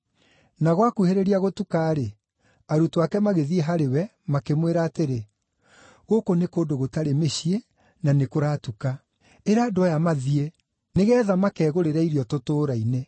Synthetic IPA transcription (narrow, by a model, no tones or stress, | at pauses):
naɣwakuheɾeɾiaɣotukaːɾe | aɾutoakɛmaɣeðieɦaɾewɛ | makemweɾaːteɾe | ɣokonekoːdoɣotaɾemeɕie | nanekoɾaːtuka | eɾaːdoajamaðie | neɣɛːðamakɛːɣoɾeɾaiɾiɔtotoːɾaine